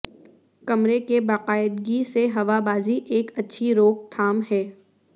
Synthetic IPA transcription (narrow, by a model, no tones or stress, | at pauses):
kɐmɾekebaːqaːɪd̪ɡiseɦɐʋabaːziʔeːkɐtːʃʰiɾoːk̚t̪ʰaːmɦɛː